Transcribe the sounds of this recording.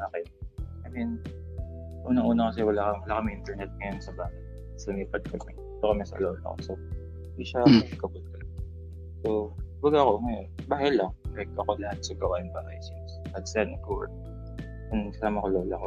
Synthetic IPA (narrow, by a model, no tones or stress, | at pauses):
ʔaːkɪnʔɐmɪn | ʔuːnɐŋʔuːnɐkɐsɛwɐlaːɐwɐlaːkɐmɪŋʔɪnt̪ɛɹnɛt̪̚ŋɐjonsɐbaːhɪ | sɐlʊmiːpɐd̪̚kɐmɛd̪iːt̪okɐmɛsɐ̰loːlɐ̰ko̰so | d̪iʃamɐkɐpot̪̚kɐlɐɡɐ | sobɐɡako̞ŋɐjonbaːhɪlɐŋɛk̚t̪oɐko̞lɐhat̪̚sɐɡɐwaːʔɪnbaːhɐjsinsɐt̪sɛnkoɹ̚ | jʊŋsɐsaːmɐkoloːlɐko